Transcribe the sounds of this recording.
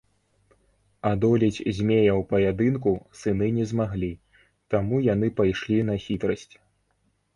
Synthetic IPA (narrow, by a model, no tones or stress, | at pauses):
ad̪ɔlʲit͡sʲzʲmʲejɐwpɐjad̪ɨnkusɨnɨnʲɛzmaɣlʲi | t̪amujan̪ɨpajʂlʲinɐxʲit̪ɾɐsʲt͡sʲ